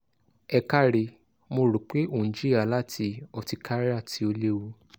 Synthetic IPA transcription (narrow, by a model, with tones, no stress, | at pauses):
ɛ˧ka˦˨ɾe˧ | mo˧ɾo˨k͡pe˦o˦˨nĩ˨d͡ʒi˦ɾi˦a˦˨la˦tʰi˧ɔ˧˨ti˧kʰa˦ɾa˦˨tʰi˨˧˦o˧le˦wu˧